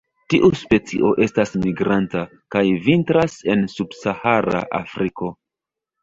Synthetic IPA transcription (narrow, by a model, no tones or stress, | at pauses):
tiʔuspe̞t͡sḭʔo̞ʔe̞stasmiɡɾanta | kajvintɾase̞nsubsahaɾa̰ʔa̰fɾiko̞